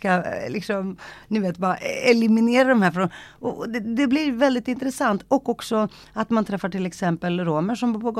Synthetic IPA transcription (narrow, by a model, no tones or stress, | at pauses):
kalɪksɔmnɪveːt̪bɑːɾaʔɛlɪmɪneːɾad̪ɔmhæːɾfɾɔnɔɔd̪ɛd̪ɛblɪɾvɛld̪ɪt̪ɪnt̪ɾɛsant̪ʰɔkːɔksɔ | at̪mant̪ʰɾɛfːaʈɪlɛksɛmpəlɾoːməʂɔmbuːɾpʰɔɡɔ